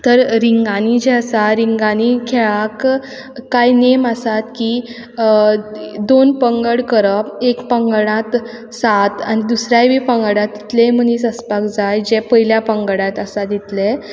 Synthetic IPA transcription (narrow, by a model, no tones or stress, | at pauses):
t̪əɾɾiŋɡanid͡ʑɛəsaɾiŋɡanikʰɛɭakː | ajneməsat̪ki | d̪onpəŋɡəɽkəɾəpekpəŋɡɽãt̪ | sat̪anid̪usɾjajbipəŋɡəɽãt̪̚it̪lem̤ənisəspakd͡zajd͡ʑɛpəɦiljapəŋɡəɽãt̪əsad̪it̪le